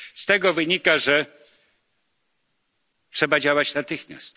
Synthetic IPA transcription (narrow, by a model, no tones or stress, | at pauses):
st̪ɛɡɔvɘɲikaʐɛ | tʂɛbad͡ʑawat͡ɕnat̪ɘxmʲja̰st̪